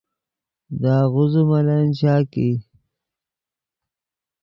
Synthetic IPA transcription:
d̪aːɣuzumalant͡ɕaːki

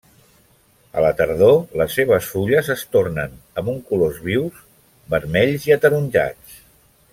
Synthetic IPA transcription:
ə̰lət̪əɾðoləsːeβ̞əsfuʎəzəst̪ornənəmbuŋkulozβiwz | bəɾmɛʎziət̪əɾunʲʒa̰t͡s

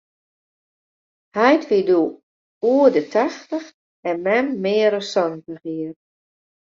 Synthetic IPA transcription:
hajtʋidu | uədətʰaxtəx | ɛnmɛmːɪːɾəsɔnəhiər

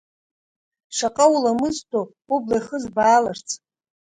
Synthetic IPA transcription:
ʂaqʼawulamɨztʰʼo | ublaχəzbaːlart͡sʰ

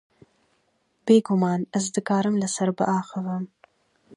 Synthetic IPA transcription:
b̥eːɡʊmɑːnazd̪əkɑːɾəmlasaɾba̰ʔɑːxəwəm

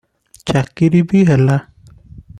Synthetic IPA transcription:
t͡ʃakiɾibiɦɛla

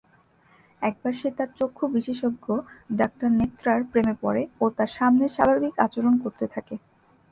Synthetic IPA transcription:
ɛk̚baɾʃet̪aɾt͡ɕokʰːobiʃeʃoɡʱːoɖak̚ʈaɾnet̪ːɾaɾpɾemepɔɾeot̪aɾʃamneɾʃa̰bʱabika̰t͡ɕoɾonkoɾt̪et̪ʰake

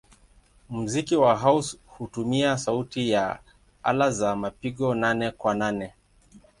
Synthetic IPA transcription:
m̩zikiwaɦaushutumiasautija | a̰lazamapiɠɔnanɛkwananɛ

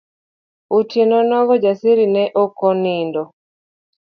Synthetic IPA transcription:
utenɔnɔɡɔd͡ʒasiɾinɛʔɔkɔnindɔ

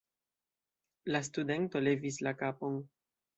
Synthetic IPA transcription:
las̬tude̞nto̞le̞vis̬lakapo̞n

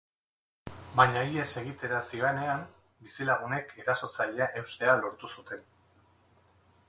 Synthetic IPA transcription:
baɲaie̞se̞ɣ̞it̪e̞ɾasiβane̞am | bisilaɣ̞une̞kʰe̞ɾaso̞t͡saʎeaʔe̞wst̪e̞alo̞ɾt̪usut̪e̞n

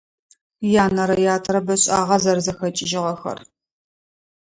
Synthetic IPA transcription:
jaːnɐɾɐjaːtʰɾɐbɐɕʼaːʁɐzɐrzɐxɐt͡ʃʼɪʒɪʁɐxɐ̰r

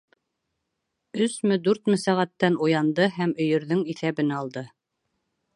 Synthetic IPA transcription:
ɵsmɵd̪ʉɾt̪mɘsæʁæt̪ːænujɑnd̪ɤɦæmɵ̆jɵ̆ɾðɵŋiθæβɘ̆nɑlˠd̪ɤ

